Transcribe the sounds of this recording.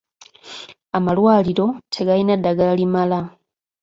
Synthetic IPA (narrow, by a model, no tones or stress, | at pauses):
amalwaːliɾo̞tʰe̞ɡalinadːaɡalimala